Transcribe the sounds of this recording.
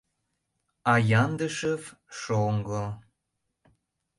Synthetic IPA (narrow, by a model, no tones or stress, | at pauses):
ɑjɑnd̪əʃəv | ʃoŋɡɤ